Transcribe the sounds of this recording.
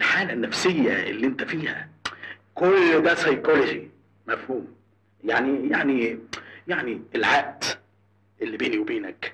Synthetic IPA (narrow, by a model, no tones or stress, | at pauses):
elħaːlænːæfsejːæ̰ḛlːiʔent̪æfiːhæ̰ | kolːd̪æsɑjkoled͡ʒi | mæfhuːm | jaʕnijaʕnijaʕnielʕaʔd̪̥ | ʔelːibeːniwebeːnæk